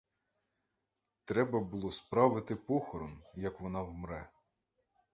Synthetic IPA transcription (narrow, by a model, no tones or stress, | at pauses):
t̪ɾɛbɐbulˠɔspɾɑʋɪt̪ɪpɔxɔɾɔmjɐkʋɔnɑwmɾɛ